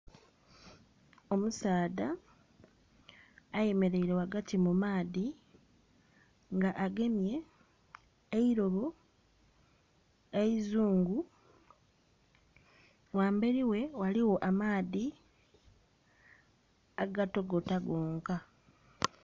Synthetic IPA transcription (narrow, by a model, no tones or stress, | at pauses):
o̞musaːða | je̞me̞ɾe̞iɾe̞waɡatimumaːði | ŋɡaʔaɡe̞mje̞ | eiɾo̞βo | eizuːŋɡu | waːmbe̞ɾiwe̞waliwo̞ʔamaːði | aɡato̞ɡo̞taɡo̞ːŋka